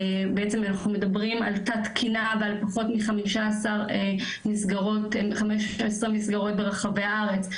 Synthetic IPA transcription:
beet͡semanaχnume̞dabʁima̰ltatkʰinavealpaχo̞tmiχamiʃaasaʁe | misɡaʁo̞tmχameʃaesʁimisɡaʁo̞t̚be̞ʁeχaveaaaʁe̞t͡s

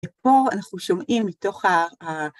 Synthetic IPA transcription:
epo̞anaχnuʃomʔimːito̞χa

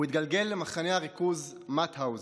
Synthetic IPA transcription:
it̪̚ɡalɡe̞lːemaχaneaʁikuz | mat̪hawz

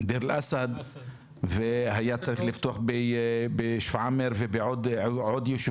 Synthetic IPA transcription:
d̪iɾlʔasad̪ | vɪhajːaːt͡sːɑɾixlɪft̪uħbɪbɪʃfʕamɪɾvɪbɪʕod̪ʕod̪jʊʃ

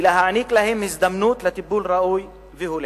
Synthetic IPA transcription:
ɪlaɦaʕniːklahɪmhɪzd̪amnuːt̪lat̪ibːuːlɾˤɑʔuːj | vihul

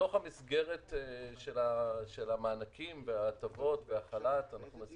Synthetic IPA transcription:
o̞χhamisɡe̞ʁe̞tʃe̞laʃe̞lamaːnakimveat̪avo̞tbeaχalat̪anaχnumas

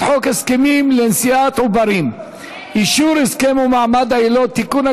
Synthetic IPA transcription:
ħokheskemimlensiat̪ubaɾim | ʔiʃuɾheskemumaʕmad̪ailot̪ːikuna

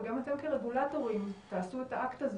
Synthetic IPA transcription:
ɡamat̪e̞mkeʁe̞ɡulato̞ʁimt̪aːsuet̪aʔakt̪az

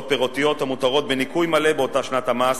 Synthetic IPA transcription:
t̚peʁot̪ijo̞t̪hamut̪aʁo̞t̪̚benikujmale̞beo̞taʃnat̪hamas

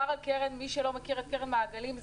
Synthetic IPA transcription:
aʁakeʁenmiʃelo̞mekiʁhakeʁenmaːɡalimz

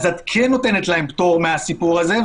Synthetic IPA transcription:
zat̪kʰenːo̞t̪e̞net̪laempt̪o̞ʁmeasipuʁaze̞

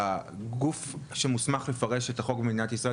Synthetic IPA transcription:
ɡufʃemusmaχle̞faʁeʃetaχo̞ɡbemed̪inatisʁae

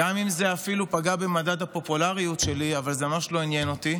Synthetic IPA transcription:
amimzeafilupaɡabemadadhapo̞pulaʁijutʃe̞liavalzemamaʃlo̞inje̞noti

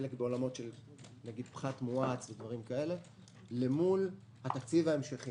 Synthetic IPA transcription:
elekbeo̞lamo̞tʃe̞l | naɡid̪̚pχat̪muat͡sved̪vaʁimkae̞le̞ | le̞mul | hat̪akt͡sivaemʃeχi

